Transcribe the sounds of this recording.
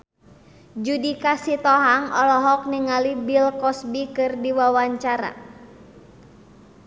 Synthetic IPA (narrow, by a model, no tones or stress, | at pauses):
d͡ʒudikasit̪ɔɦaŋʔɔlɔɦɔk̚niŋalibilkɔsbikɨrdiwawaɲt͡ʃaɾa̰